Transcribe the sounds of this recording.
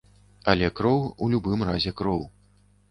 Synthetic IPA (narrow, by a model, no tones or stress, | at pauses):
ɐlʲɛkɾɔwulʲubɨmrazʲɛkɾɔw